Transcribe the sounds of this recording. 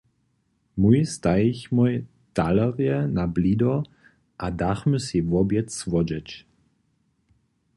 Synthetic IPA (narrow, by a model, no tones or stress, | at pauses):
mujst̪ajiçmɔj | t̪alaʁjɛnablid̪ɔ | ʔad̪axməsivɔbjɛt̪svɔd͡ʒɛt͡ʃ